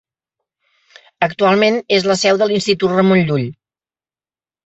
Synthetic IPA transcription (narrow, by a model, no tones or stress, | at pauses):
ək̚t̪ualˠmenezləsɛwðəlinst̪it̪ut̪rəmonʎuʎ